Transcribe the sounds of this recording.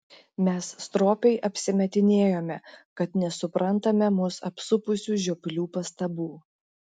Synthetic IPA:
mʲɛsst̪ɾoːpʲɛɪʔɐpʲsʲɪmʲɛt̪ʲɪnʲeːjoːmʲɛkɐt̪nʲɛsʊpɾɐnˑt̪ɐmʲɛmʊsɐpsʊpʊsʲuːʒʲoːpʲlʲuːpɐst̪ɐbuː

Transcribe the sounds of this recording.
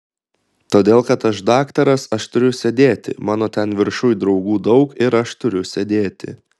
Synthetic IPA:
t̪oːd̪ʲeːlˠkɐt̪ɐʃd̪ɑːkt̪ɐɾɐsɐʃt̪ʊɾʲʊsʲɛd̪ʲeːt̪ʲɪ̰mɑːnoːt̪ʲɛnʋʲɪɾʃʊjd̪ɾɒʊɡuːd̪ɒʊkɪɾɐʃt̪ʊɾʲʊsʲɛd̪ʲeːt̪ʲɪ̰

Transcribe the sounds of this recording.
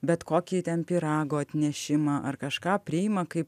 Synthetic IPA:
bʲɛt̪koːkʲiːt̪ʲɛnpʲiɾɑːɡoːɐt̪ʲnʲɛʃʲɪmɑːʔɐrkɐʃkɑːpʲɾʲɪɪmɐkɐɪp

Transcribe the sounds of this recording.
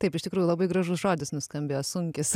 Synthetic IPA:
t̪ɐɪpɪʃʲt̪ʲɪkɾuːjulˠɐbɐɪɡɾɐʒʊsʒoːd̪ʲɪsnʊskɐmʲbʲeːjoːsʊŋʲkʲɪs

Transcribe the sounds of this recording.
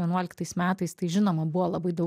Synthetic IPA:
ʋʲiɛnuɔlʲɪkt̪ɐsmʲæːt̪ɐɪst̪ɐɪʒʲɪnoːmɐbʊʋoːlˠɐbɐɪd̪ɐʊ

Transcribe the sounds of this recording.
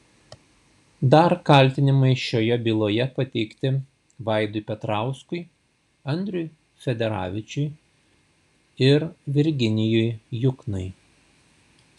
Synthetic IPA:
d̪ɐɾkɐlʲt̪ʲɪnʲɪmɐɪʃʲoːjɛbʲiːlˠoːjɛpɐt̪ʲɛɪkt̪ʲɪ | ʋɑˑɪd̪ʊɪpʲɛt̪ɾɑˑʊskʊɪ | ɐnʲd̪ʲɾʲʊj | fʲɛd̪ʲɛɾɑ̰ːʋʲɪt͡ʃʲʊɪ | ɪɾʋʲɪɾʲɡʲɪnʲɪjʊjjʊknʊɪ

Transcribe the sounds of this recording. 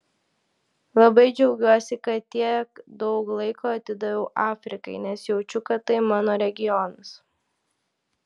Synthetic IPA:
lˠɐbɐɪd͡ʒʲɛʊɡʲuɔsʲɪkɐt̪ːʲiɛkd̪ɒʊklˠɐɪkoːɐt̪ʲɪd̪ɐʋʲɛʊʔɑːfʲɾʲɪkɐɪnʲɛsjɛʊt͡ʃʲʊkɐt̪ɐɪmɑːnoːɾʲɛɡʲɪjɔnɐs

